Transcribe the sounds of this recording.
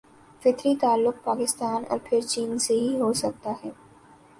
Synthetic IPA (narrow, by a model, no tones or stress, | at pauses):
fɪt̪ɾit̪aːlːʊk̚paːkɪst̪aːnɔ̰ːɾpʰɪɾt͡ʃiːnseɦiɦoːsɐk̚t̪aɦɛː